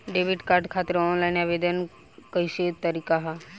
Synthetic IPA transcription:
ɖeʋiʈkaɾɖkʰaːt̪ɾɔnlajnabed̪ən | kəjset̪əɾikaɦa

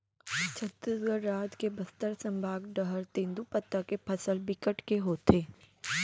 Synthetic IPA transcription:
t͡ʃʰɐt̪əɡəɾːaːt̪kebɐst̪əɾsɐ̃mbʱaːɡɖəɦəɾt̪ẽːnd̪upət̪ːakepʰɐsəlbɪkəʈkeɦoːt̪eː

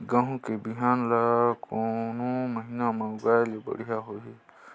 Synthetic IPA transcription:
ɡãɦũkebɪɦaːnlakonõməɦiːnamãʊɡaːjlebə̰ɽijaɦoːɦeː

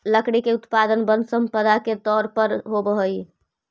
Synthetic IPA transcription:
ləkɽikeʊt̪pad̪ənbə̃nd̪səmpəd̪aket̪ɔːɾpəɾɦobəɦəi

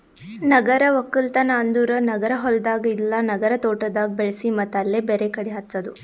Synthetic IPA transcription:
nɐɡɐɾɐʋɐkːɐlt̪ɐnɐːnd̪uːɾɐnɐɡɐɾɐɦɔld̪aːɡɐilːɐnɐɡɐɾɐt̪oːʈɐd̪aːɡ̚beɭɐsimɐt̪ːɐlːebeːɾekɐɽiɦɐɾt͡sːɐd̪u

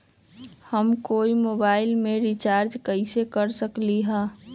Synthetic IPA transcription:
həmkoimobaɪlmeɾit͡ʃaɾd͡ʒkəɪsekəɾsəkliɦə̃

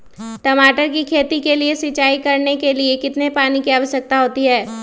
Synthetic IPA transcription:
ʈɐmaːʈəɾkikʰeːt̪ikeliesɪt͡ʃaːikɐɾnekeliekɪt̪nepaːnikiaːʋəʃək̚t̪aɦoːt̪iɦɛː

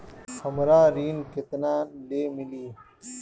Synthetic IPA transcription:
həmɾaːɾiːnket̪naːnleːmiliː

